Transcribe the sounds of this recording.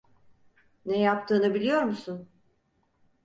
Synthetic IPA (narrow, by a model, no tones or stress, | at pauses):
nɛjapt̪ʰɯːnɯbilʲijo̞ɾmusun